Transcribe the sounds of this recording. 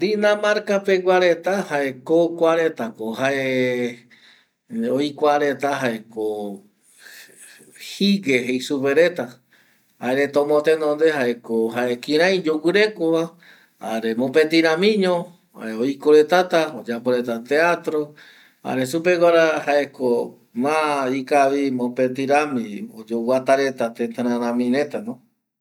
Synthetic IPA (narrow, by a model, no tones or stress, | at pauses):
d̪inãmaɾkapeɡʷaɾet̪ahaekokʷaɾe̞t̪akoɦaʔe | ojkʷaɾe̞t̪aɦaeko | hiɡeɦejsupeɾe̞t̪a | aeɾet̪õmot̪enõnd̪e̞haʔekoɦaʔekĩɾ̃ãj̃d͡ʒuwɨɾe̞koβa | aɾemõpẽt̪iɾãmĩɲõ | oikoɾe̞t̪at̪aod͡ʒapoɾet̪at̪eat̪ɾo | a̰ɾesupe̞kʷaɾahaeko | mãikaʋimõpet̪iɾamĩod͡ʒowat̪aɾe̞t̪at̪ẽnt̪aɾãɾãmĩɾẽt̪anõ